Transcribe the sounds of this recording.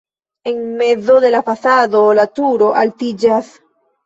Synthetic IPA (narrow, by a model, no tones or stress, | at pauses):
eŋmeðoðelafasaðolat̪uɾoʔalt̪id͡ʒas